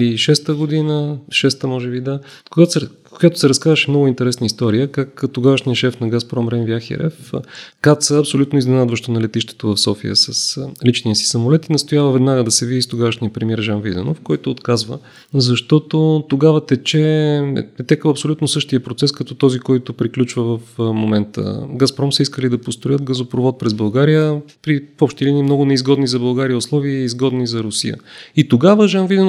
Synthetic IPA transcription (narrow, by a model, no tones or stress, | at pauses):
liʃɛst̪əɡod̪inəʃɛst̪əmɔʒɛbid̪a | koɡa | kʊjat̪o̥sɛɾɐskazəʃɛmnɔɡʊint̪ɛɾɛsnəist̪ɔɾijəkakt̪oɡavəʃnijəʃɛfnɐɡaspɾɔmɾɛnvjaxḭɾɛ̰fkat̪səɐpsolʲut̪noiznɛnad̪vəʃt̪onɐlɛt̪iʃt̪ɛ̥t̪ovɐfsɔfḭə̰səslit͡ʃniəsi̥sɐmolɛt̪inɐst̪ojavəvɛd̪naɡəd̪ɐsɛvid̪ist̪oɡavəʃniəpɾɛmʲiɛɾʒanvid̪ɛ̰nofkɔjt̪oːt̪kazvə̰ | zɐʃt̪ɔt̪ot̪oɡavət̪ɛt͡ʃɛ̰ | ɛt̪ɛkəɐpsolʲut̪nosɤʃt̪ijəpɾot̪sɛskɐt̪ɔt̪ɔzikɔjt̪opɾiklʲut͡ʃvəvəfmomɛnt̪ə̰ɡaspɾɔmsəiskəlid̪ɐpost̪ɾojət̪ɡəzopɾovɔt̪̚pɾɛzbɐlˠɡaɾijəpɾifɔpʃt̪iliniːmnɔɡʊnɛizɡɔd̪nizɐbɐlˠɡaɾijəʊslˠɔviəizɡɔd̪nizɐɾʊsḭjə̰it̪oɡavəʒanvid̪ɛn